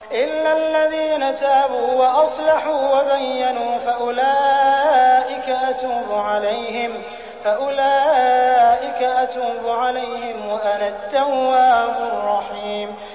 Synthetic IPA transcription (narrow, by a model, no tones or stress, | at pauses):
ʔɪlːalːaðiːnat̪aːbuːwaʔɑsˤlɑħuːwabajːanuːfaʔʊlaːʔɪkaʔat̪uːbʊʕalajhɪm | faʔʊlaː | ʔɪkaʔat̪uːbʊʕalajhɪmwaʔalat̪ːawːaːbʊrˤːɑħiːm